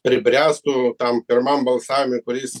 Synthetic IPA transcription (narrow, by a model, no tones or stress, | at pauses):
pʲɾʲɪbʲɾʲæst̪ʊt̪ampʲɪrmambɐlˠsaːʋʲmʲekʊɾʲiːs